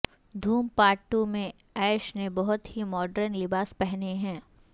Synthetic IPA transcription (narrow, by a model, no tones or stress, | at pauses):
d̪ʱuːmpaːʈumẽ | ɛːʃnebɐɦʊt̪ɦimɔːɖɾənlɪbaːspɛɦneɦɛ̃ː